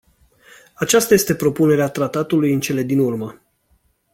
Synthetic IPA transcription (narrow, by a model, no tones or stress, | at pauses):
at͡ʃast̪aje̞st̪e̞pɾo̞pune̞ɾeat̪ɾat̪at̪ulujɨnt͡ʃe̞le̞d̪inurmə